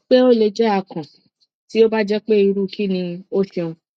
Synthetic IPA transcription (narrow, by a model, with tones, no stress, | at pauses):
k͡pe˦o˦le˧d͡ʒɛ˦a˧˨kã˨ | ti˦o˦ba˦d͡ʒɛ˦k͡pe˦i˧ɾu˦˨ki˦nĩ˧o˦ʃe˧õ˧